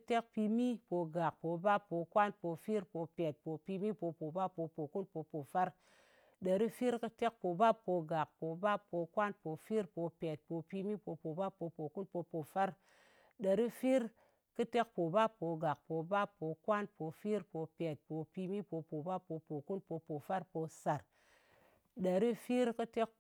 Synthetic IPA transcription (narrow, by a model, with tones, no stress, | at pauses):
te˦k̚pi˧mi˦po˧ɡa˨k̚po˨ba˦pːo˧kwa˦npo˧fi˦ɾpo˧pe˨t̚po˨pi˧mi˦po˧po˨ba˦pːo˧po˨ku˦npo˧po˨fa˦ɾ | də˨ɾi˦fi˦ɾkɨ˦te˦k̚po˨ba˦pːo˧ɡa˨k̚po˨ba˦pːo˧kʷa˦npo˨˧fi˦ɾpo˧pe˨t̚po˨pi˧mi˦po˧po˨ba˦pːo˧po˨ku˦npo˧po˨fa˦ɾ | ɗa˨ɾi˦fi˦ɾ | kɨ˦te˦kpo˨ba˦pːo˧ɡa˨k̚po˨ba˦pːo˨˧kʷa˦npo˧fi˦ɾpo˧pe˨t̚po˧pi˧mi˦po˧po˨ba˦pːo˧po˨ku˦npo˧po˨fa˦ɾpo˧sa˨ɾ | ɗa˨ɾi˦fi˦ɾkɨ˦te˦k̚